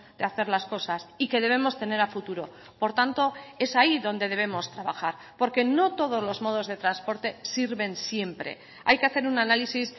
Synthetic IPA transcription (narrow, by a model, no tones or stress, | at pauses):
d̪eaθe̞ɾlasko̞sasike̞ðe̞β̞e̞mo̞st̪e̞ne̞ɾafut̪uɾo̞ | po̞ɾt̪ant̪o̞e̞saiðo̞nd̪e̞ð̞e̞βe̞mo̞st̪ɾaβaxaɾ | po̞ɾke̞no̞t̪o̞ð̞o̞zlo̞zmo̞ð̞o̞zð̞e̞t̪ɾanspo̞ɾt̪e̞siɾβe̞nsje̞mpɾe̞̰ | a̰jke̞aθe̞ɾunanalisis